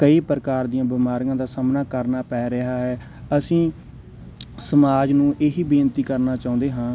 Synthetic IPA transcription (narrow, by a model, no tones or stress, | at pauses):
kəiːpɾəkaːɾd̪ijãːbɪmaːɾijãːd̪aːsaːmnaːkəɾnaːpɛːɾɪɦaːɦɛː | əsĩː | səmaːd͡ʒnũːʔeːɦiːbiːnt̪iːkəɾnaːt͡ʃaːʊ̃ːnd̪eːɦãː